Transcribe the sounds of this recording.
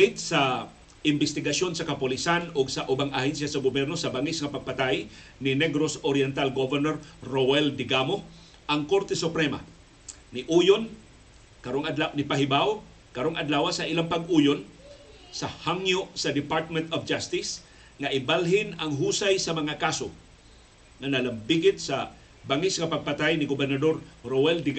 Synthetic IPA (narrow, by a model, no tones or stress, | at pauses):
ɪt̪̚sa | ʔɪmbɪst̪ɪɡasjo̞nsɐkɐpʊlisanoɡsɐʔʊbaŋahɛnsjasɐɡobjɛɾnosɐbaŋɪsŋɐpɐɡ̚pat̪aj | nɪnɛɡɾosoɾjɛnt̪alɡovɛɾnoɾɾowɛld̪ɪɡamo | ʔɐŋko̞ɾt̪ɛsʊpɾɛma̰ | nɪʔuːjon | kɐɾoŋad̪lawnɪpaɦɪbaw | kɐɾoŋɐd̪laːwasɐʔɪlaŋpɐɡʔujon | sɐhaŋjoʔsɐd̪ɪpaɾt̪̚mɛnt̪ofd͡ʒast̪ɪs | ŋaʔɪbalɦɪnɐŋɦuːsajsɐmɐŋakaso | ŋanɐlambiɡɪt̪̚sɐ | baŋɪsŋɐpaɡ̚pat̪ajnɪɡʊbɛɾnad̪oɾɾowɛld̪ɪɡ